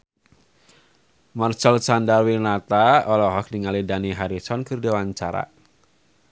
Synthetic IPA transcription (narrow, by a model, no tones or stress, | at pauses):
mart͡ʃɛlsandarwinat̪aɔlɔɦɔk̚niŋalidaniɦaɾisɔnkɨrdiwaɲt͡ʃaɾa̰